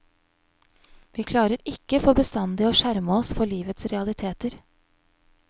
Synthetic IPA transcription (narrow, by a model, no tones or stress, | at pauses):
ʋiːkʰlɑːɾəɾɪkəfoːbəst̪ɑnd̪ɪoːʃæɾməɔsfɔɭiːʋət̪sɾɛɑlɪt̪ʰeːt̪əɾ